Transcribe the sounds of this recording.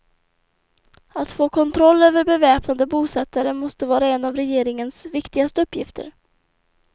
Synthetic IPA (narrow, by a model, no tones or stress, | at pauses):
at̪foːkʰɔnt̪ʰɾɔlːøːvəɾbɛvɛːpnad̪əbuːsɛt̪ːaɾəmɔst̪əvɑːɾaɛnːavɾɛjeːɾɪŋənsvɪkt̪ɪɡast̪əɵpːjɪft̪ʰə̰ɾ